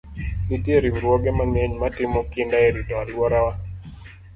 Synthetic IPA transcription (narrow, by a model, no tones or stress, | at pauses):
nitjeɾimɾwoɡɛmaneɲmatɪmɔkɪndaeɾidɔalwɔɾawa